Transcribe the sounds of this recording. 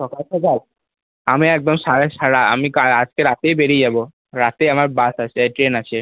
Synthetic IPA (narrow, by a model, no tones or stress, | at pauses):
ʃɔkalʃɔkal | amiɛk̚d̪omʃaɾeʃaɽaamikalad͡ʑkeɾat̪ejbeɾid͡ʑabo | ɾat̪ejamaɾbasat͡ɕʰeʈɾenat͡ɕʰe